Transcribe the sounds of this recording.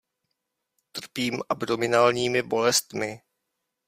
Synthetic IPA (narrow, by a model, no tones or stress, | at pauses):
t̪r̩piːmʔabdo̞mɪnaːlɲiːmɪbo̞lɛst̪mɪ